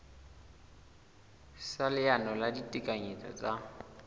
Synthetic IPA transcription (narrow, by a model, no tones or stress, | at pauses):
salɪanɔladitʼikʼaɲit͡sʰʼɔ̰t͡sʼa